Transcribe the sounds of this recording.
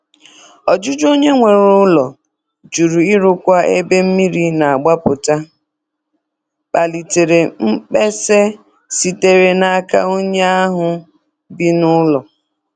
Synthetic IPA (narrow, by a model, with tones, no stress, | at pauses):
ɔ˨d͡ʒʊ˦d͡ʒo˦ɲe˦ŋʷe˨ɾʊ˦lɔ˨ | d͡ʒu˨ɾu˨i˦ɾʊ˦kʷa˦ḛ˦be˦m̩˦mi˦ɾi˦na˨a˨ɡ͡ba˦pʊ˨ta˦ | k͡pa˨li˨te˨ɾe˨ŋ͡m̩˦k͡pe˦se˦ | si˨te˦ɾe˨na˨˦ka˦o˦ɲe˦a˦ɦʊ˨ | bi˦nʊ˦lɔ˨